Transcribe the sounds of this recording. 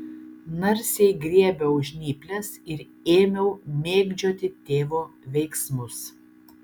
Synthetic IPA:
nɐɾʲsʲɛɪɡɾʲiɛbʲɛʊʒʲnʲiːpʲlʲɛsɪɾ | eːmʲɛʊmʲeːɡd͡ʒʲoːt̪ʲɪt̪ʲeːʋoːʋʲɛɪksmʊs

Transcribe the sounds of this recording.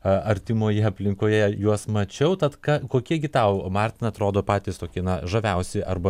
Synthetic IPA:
ɐɾʲt̪ʲɪmoːjɛɐpʲlʲɪŋkoːjɛjuɔsmɐt͡ʃʲɛʊt̪ɐt̪kɑkoːkʲiɛɡʲɪt̪ɐʊmɑːrʲt̪ʲɪnɐt̪ɾoːd̪oːpɑːt̪ʲɪːst̪oːkʲiɛnɐʒɐʋʲɛʊsʲɪʔɐrbɐ

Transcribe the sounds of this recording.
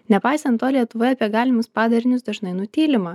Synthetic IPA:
nʲɛpɑɪsɐnt̪ːoːlʲiɛt̪ʊʋoːjɛɐpʲiɛɡɑːlʲɪmʊspɑːd̪ɐɾʲɪnʲʊsd̪ɐʒnɐɪnʊt̪ʲiːlʲɪmɑː

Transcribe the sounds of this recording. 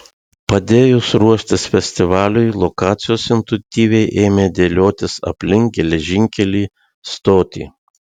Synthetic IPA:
pɐd̪ʲeːjʊsɾuɔʃʲt̪ʲɪsfʲɛsʲt̪ʲɪʋɑːlʲʊɪlˠɔkɑːt̪sʲɪjoːsɪnt̪ʊt̪ʲiːʋʲɛɪʔeːmʲeːd̪ʲeːlʲoːt̪ʲɪsɐ̰pʲlʲɪŋk̚ɡʲɛlʲɛʒʲɪŋʲkʲɛlʲiː | st̪oːt̪ʲḭː

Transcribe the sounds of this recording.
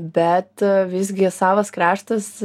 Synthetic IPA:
bʲɛt̪ʋʲɪzʲɡʲɪsɑːʋɐskɾɑːʃt̪ɐs

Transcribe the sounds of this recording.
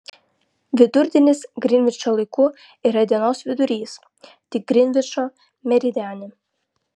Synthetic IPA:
ʋʲɪd̪ʊɾʲd̪ʲɪnʲɪsɡɾʲɪnʲʋʲɪt͡ʃoːlˠɐɪkʊ | iːɾɐd̪ʲiɛnoːsʋʲɪd̪ʊɾʲiːs | t̪ʲɪk̚ɡɾʲɪnʲʋʲɪt͡ʃoː | mʲɛɾʲid̪ʲæːnʲɪ

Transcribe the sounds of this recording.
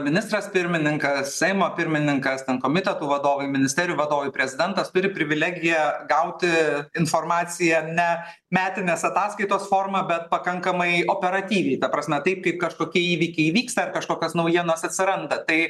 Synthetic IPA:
mʲɪnʲɪst̪ɾɐspʲɪɾʲmʲɪnʲɪŋkɐssʲɛɪmoːpʲɪɾʲmʲɪnʲɪŋkɐst̪ʲɛnkoːmʲɪt̪ʲɛt̪uːʋɐd̪oːʋɐɪmʲɪnʲɪst̪ʲɛɾʲɪjuːʋɐd̪oːʋɐɪpʲɾʲɛzʲɪd̪ʲɛnt̪ɐst̪ʊɾʲɪpʲɾʲɪʋʲɪlʲæːɡʲɪjɛɡɐʊt̪ʲɪɪnfoːrmɑːt͡s̪ʲɪjɛnʲɛ | mʲæːt̪ʲɪnʲeːsɐt̪ɑːskɐɪt̪oːsfoːrmɐbʲɛt̪̚pɐkɐŋkɐmɐɪoːpʲɛɾɐt̪ʲiːʋʲɛɪt̪ɐpɾɐsʲmʲɛt̪ɐɪpkɐɪp̚kɐʃkoːkʲiɛiːʋʲikʲɛɪʋʲiːkst̪ɐɐrkɐʃkoːkʲɐsnɐʊjiɛnɐsɐt̪ʲsʲɪɾɐnd̪ɐt̪ɐɪ

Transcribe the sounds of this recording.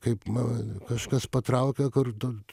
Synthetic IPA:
kɐɪpmɐkɐʃkɐspɐt̪ɾɐʊkʲɛkʊrt̪o

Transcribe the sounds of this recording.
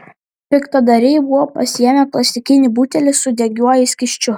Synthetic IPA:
pʲɪkt̪ɐd̪ɐɾʲɪɪbʊʋɔːpɐsʲɪjɛmʲɛklˠɐsʲɪkʲɪnʲɪbuːt̪ʲɛlʲɪsʊd̪ʲɛɡʲuɔjɛsʲkʲɪʃʲt͡ʃʲʊ

